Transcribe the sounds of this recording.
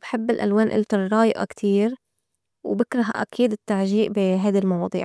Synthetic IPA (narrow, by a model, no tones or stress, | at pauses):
b̥ħɪbːɪlʔa̰lwaːnʔɪ̰lt̪ɑɾˤɾˤɑːjʔɑ̰kt̪ʰiːɾ | wbɪkɾˤɑɦa̰ʔa̰kiːd̪ɪt̪ːaʕʒiːʔbiɦajd̪almɑwɑːd̪ˤḭːʕ